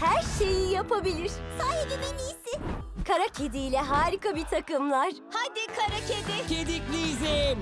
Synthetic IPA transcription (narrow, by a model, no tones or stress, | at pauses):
hæɾʃe̞jijapʰabilʲiɾ̥saːɦed̪imenijsɪkʰaɾacʰed̪ijlʲɛɦaːɾikabit̪ʰakɯmlˠaɾ̥had̪ikʰaɾacʰed̪ɪcʰed̪iklʲizin